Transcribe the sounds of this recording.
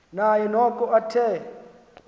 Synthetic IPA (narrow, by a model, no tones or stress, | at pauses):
najɛnɔkʼɔatʰɛ